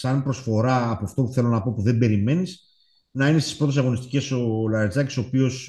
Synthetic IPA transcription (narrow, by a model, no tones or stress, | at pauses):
sɐnpɾo̞sfo̞ɾɐːpoːft̪o̞puθe̞lo̞nɐpo̞puðe̞mbe̞ɾime̞nis | nɐinest̪i̥spɾo̞t̪osɐɣo̞nist̪i̥ce̞so̞lɐnzɐci̥so̞ːpio̞s